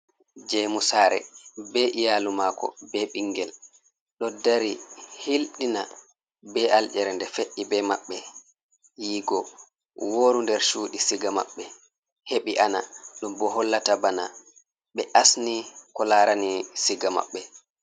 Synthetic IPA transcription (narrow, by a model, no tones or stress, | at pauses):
d͡ʒɛmusaːɾɛ̰bɛʔijalumakɔ̰bɛɓiŋɡɛl | ɗɔdaɾihilɗina | bɛʔald͡ʒɛɾɛndɛfeʔːibɛmaɓːɛ | jiːɡɔ | woːɾundɛɾʃuːɗisiɡama̰ɓːɛ | heɓiʔana̰ɗumbɔɦɔlːatabana̰ | ɓɛʔasnikɔlaɾanisiɡama̰ɓːɛ